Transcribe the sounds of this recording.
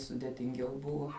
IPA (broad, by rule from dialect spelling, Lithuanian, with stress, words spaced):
sʊdʲeːtʲɪŋʲˈɡʲɛʊ ˈbʊʋoː